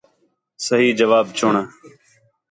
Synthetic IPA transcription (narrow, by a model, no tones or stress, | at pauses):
səɦiːd͡ʒəʋaːbt͡ʃʰʊɳ